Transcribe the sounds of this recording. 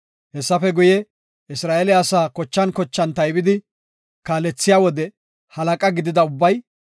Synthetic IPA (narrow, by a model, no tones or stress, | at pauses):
hɛsːɐfɛɡʊjɛ | ɪsɾaːʔɛlɪɐsaːkɔt͡ʃːɐnkɔt͡ʃːɐnt̪ɐjbɪd̪ɪ | kaːlɛt͡sːɪjaːwɔd̪ɛ | hɐlɐkʼɐɡɪd̪ɪd̪ɐʊbːɐj